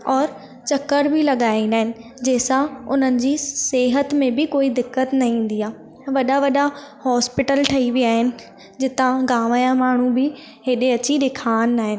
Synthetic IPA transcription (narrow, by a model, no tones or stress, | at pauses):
ɔːɾ | t͡ɕɐkːəɾbʱɪlɐɠaːinaːɦɪnɪ̆d͡ʑeːsãʊn̤ənɪ̆d͡ʑiːseːɦət̪mẽbɪkoːid̪ɪkːət̪nɐĩːn̆d̪iaː | ʋɐɗaʋɐɗahɔːspɪʈəlʈʰɐiʋiaːɦɪnɪ̆ | d͡ʑɪt̪ãɡaːʋaːjãmaːɳ̤ubɪ | ɦeːɗeɐt͡ɕiɗɪkʰaːnːaːɦɪnɪ̆